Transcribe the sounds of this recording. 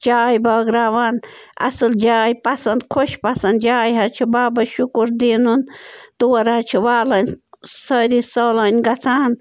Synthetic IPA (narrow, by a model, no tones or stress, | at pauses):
t͡ʃaːjbɐːɡɾaːwaːnɐ̰sɨld͡ʒaːjpɐsɐnd̪kʰoʃpɐsɐnd̪d͡ʒaːjɦɐt͡ʃʰibaːbɐʃukuɾd̪eːnunt̪uwɐɾɐt͡ʃʰiwaːlɐnʲsɐːɾisɐlɐnʲɡɐt͡sʰaːn